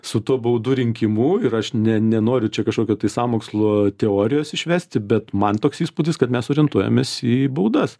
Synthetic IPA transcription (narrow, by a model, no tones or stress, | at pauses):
sʊt̪uɔbɐʊd̪uɾʲɪŋʲkʲɪmuːɪɾɐʃnʲɛnʲɛnoːɾʲʊt͡ʃʲɛkɐʃkoːkʲoːt̪ɐɪsɑːmoːkslˠot̪ʲɛoːɾʲɪjoːsɪʃʲʋʲæːsʲt̪ʲɪbʲɛt̪mɐnt̪oːksiːspuːd̪ʲɪskɐt̪mʲɛsoːɾʲɪɛnt̪uɔjɛ̰mʲeːsiːbɐʊd̪ɐs